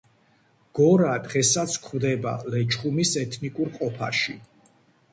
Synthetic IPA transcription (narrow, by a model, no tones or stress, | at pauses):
ɡ̥ɔɾad̪ʁɛsat̪sʰkʰwd̪ɛba̰lɛt͡ʃχumisɛt̪ʰnikʼuɾqʼɔpʰa̰ʃi